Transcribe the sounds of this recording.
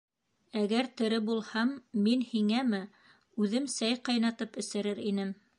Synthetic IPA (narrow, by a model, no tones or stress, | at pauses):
æɡæɾt̪ɘ̆ɾɘbulˠhɑmːinhiŋæmɘ | ʉðɘmsæjqɑjnɑt̪ɤpɘ̆sɘ̆ɾɘɾinɘm